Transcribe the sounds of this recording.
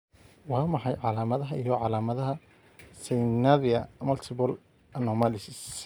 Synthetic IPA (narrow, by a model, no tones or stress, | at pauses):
wɑːmɑħɑjʕɑlaːmɐðɐɦɐʔijɔʕɑlaːmɐðɐɦɐ | sɛjnaðɪɐmɐlt̪ʰɪbɔl | ɐnɔmalɪsɪs